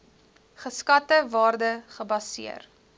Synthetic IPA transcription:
χəskɐtəvɑːrdəχəbɐsḭə̰r

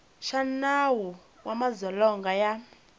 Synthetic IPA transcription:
ʃanawu | wamazɔlɔŋɡaja

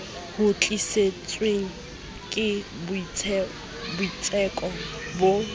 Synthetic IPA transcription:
hʊt͡ɬʼiset͡sʼweŋ̩ | kʼɪb | bʊit͡sʼɛkʼɔ | bo

